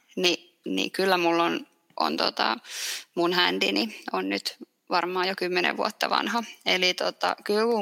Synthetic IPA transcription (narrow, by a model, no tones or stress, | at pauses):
ni | nḭkylːæmulːon | ʔo̰nt̪ot̪ɑ̰munhænd̪inionnyt̪ | ʋɑrmɑːjokymːenḛʋʋuot̪ːɑʋɑ̰nhɑelit̪ot̪ɑ̰kylku